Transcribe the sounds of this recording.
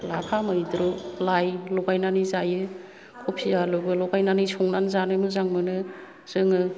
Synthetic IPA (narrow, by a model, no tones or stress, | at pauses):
lapʰamɯjdɾulajlɔɡajnanizajɯ | kʰopʰialɯbɯlɔɡajnanɯjsʰɔŋnanzanɯmɯzaŋmɯnɯ | z̥ɯŋɯ